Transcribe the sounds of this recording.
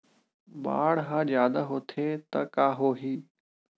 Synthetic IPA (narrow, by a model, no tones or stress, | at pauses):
ba̰ːɽɦãːd͡ʒjaːd̪aɦot̪ʰeːt̪ɐkaːɦoːɦiː